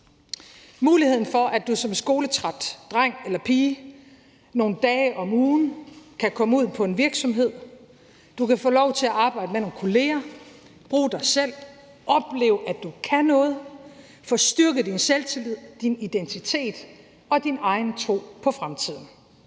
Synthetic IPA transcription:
muːlihe̝ð̰ˠn̩fɒ̽ʔæd̥usɒ̽msɡ̥o̝ːlət͡sʰʁad̥ːʁaŋ̰elɐpʰiː | no̝ːn̩d̥ɛːɪʔɒ̽muːn̩kʰækʰɒ̽məuð̰ˠpʰɒ̽e̝nʋiɐɡ̥sɒ̽mɦe̝ð̞̰ˠ | d̥ukʰæfɔ̰ːlɒʊt͡sʰe̝æʔɑ̈ːb̥ɑ̈ɪ̰d̥əmeno̝ːnkʰo̝le̝ːɐ | b̥ʁuːd̥ɑ̈ɪsel̰ | ʔɒ̽b̥le̝ːʊʔæd̥ukʰænɔ̽ːð̞̩ˠ | fɒ̽sd̥ɶɐɡ̥əd̥inselt͡sʰilið̰ˠd̥inid̥ent͡sʰit͡sʰe̝̰ːd̥ | ɒ̽d̥inɑ̈ɪnt͡sʰʁo̝̰ːpʰɒ̽fʁamt͡sʰið̞̰ˠn̩

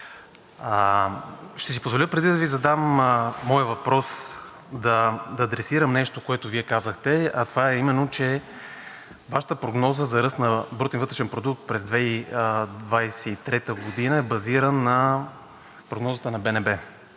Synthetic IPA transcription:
ʃt̪ɛsipozvolʲəpɾɛd̪id̪ɐvizɐd̪amːɔjəvɐpɾɔs | d̪ɐd̪ɐːd̪ɾɛsiɾəmnɛʃt̪okoɛt̪oviɛkazəxt̪ɛɐt̪ovaɛimɛnːot͡ʃɛ | vaʃə̥t̪əpɾoɡnɔzəzɐɾɤst̪nɐbɾut̪ɛnvət̪ɾɛʃɛnpɾod̪uk̚t̪̚pɾɛzd̪vɛid̪vajsɛit̪ɾɛt̪əɡod̪inəɛbɐziɾənːɐ | pɾoɡnɔzət̪ənɐbɛnɛbɛ

